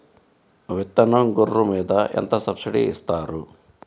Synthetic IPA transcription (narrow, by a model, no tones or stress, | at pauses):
ʋet̪ːɐnoŋɡuɾːumeːd̪ɐʔḛnt̪ɐsɐbsiʈḭḭst̪aːɾu